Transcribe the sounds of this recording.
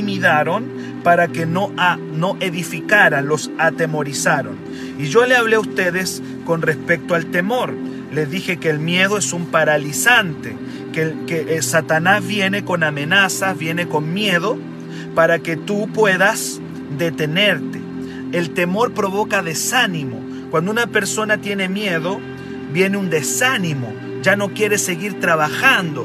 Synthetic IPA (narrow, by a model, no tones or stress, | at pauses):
miðaɾon | paɾakenoa | no̞ʔe̞ðifikaɾalo̞sat̪e̞mo̞ɾisaɾo̞̰n | iʒo̞leaβleust̪eðes | ko̞nrespe̞k̚t̪oalt̪emo̞ɾ | lezðixe̞keːlmje̞ðo̞esumpaɾalisant̪e | kekeʔsat̪anazβje̞ne̞ko̞name̞nasazβje̞ne̞ko̞nmje̞ðo̞ | paɾake̞t̪upwe̞ðas | ðe̞t̪e̞ne̞ɾt̪e | elt̪e̞mo̞ɾpɾo̞βo̞kaðe̞sanimo̞̰ | kwand̪ounape̞ɾso̞nat̪je̞ne̞mjeðo̞ | βje̞neund̪e̞sanimo̞̰ | d͡ʒano̞kje̞ɾe̞se̞ɣiɾt̪ɾaβaxand̪o